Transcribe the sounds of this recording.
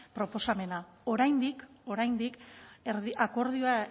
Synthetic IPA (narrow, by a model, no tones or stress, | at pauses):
pɾo̞po̞same̞na | o̞ɾajnd̪iko̞ɾajnd̪ikeɾiako̞ɾð̞ioa